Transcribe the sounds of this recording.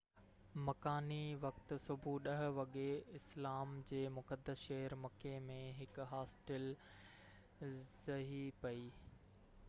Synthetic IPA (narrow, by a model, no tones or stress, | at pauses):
mɐkaːniʋɐk̚t̪ʊ̆sʊbʱuɗɐɦ̆ʋɐɠeɪslaːmd͡ʑeːmʊkəd̪ːəsʃɐɦəɾmɐkemẽɦɪkɦaːsʈəl | zɐɦipɐiː